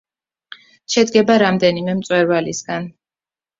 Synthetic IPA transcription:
ʃɛd̪ɡɛbaɾamd̪ɛnimɛmt̪sʼwɛɾvalisɡan

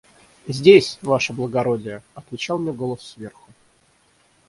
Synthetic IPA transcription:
zʲdʲesʲvaʂəblˠəɡɐɾodʲɪjəɐt̪vʲɪt͡ɕalˠmnʲeɡo̞lˠəssvʲe̞rxʊ

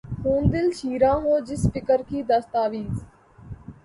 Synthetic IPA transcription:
xũːnd̪ɪlʃiːɾãːɦoːd͡ʒɪspɪkəɾkʰiːd̪əst̪aːʋiːz

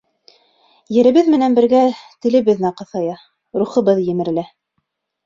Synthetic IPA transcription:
jɘ̆ɾɘ̆βɘðmɘ̆nænbɘ̆ɾɡæt̪ɘ̆lɘ̆βɘ̆ðnæqɤ̆θɑjɑ | ɾuχɤ̆βɤðjɘ̆mɘ̆ɾ̆læ

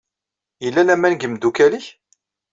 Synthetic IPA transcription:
jəlːælæmænɡəmd̪ukæliç

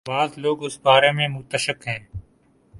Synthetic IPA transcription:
baːzloːɡʊsbaːɾeːmẽːmʊt̪əʃəkɦɛ̃ː

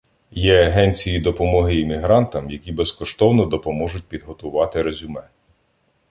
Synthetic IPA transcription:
jɛɐɦɛnʲt͡sʲijid̪ɔpɔmɔɦɪːmʲiɦɾɑnt̪ɐmjɐkʲibeskɔʃt̪ɔwnɔd̪ɔpɔmɔʒʊt̚ʲpʲid̪ɦɔt̪ʊʋɑt̪ɪɾezʲʊmɛ

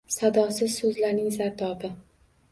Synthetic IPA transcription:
sad̪ɒsɪz̥sɵzlaɾnɪŋzaɾt̪ʰɒbɪ

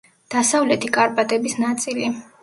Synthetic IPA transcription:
d̪̥asavlɛt̪ʰikʼaɾpʼat̪ʼɛbisnat̪sʼili

